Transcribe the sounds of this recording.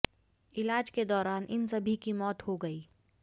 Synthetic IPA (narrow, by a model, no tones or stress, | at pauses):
ɪlaːd͡ʒked̪ɔːɾaːnʔɪ̰nsɐbʱikimɔːt̪hoɡɐiː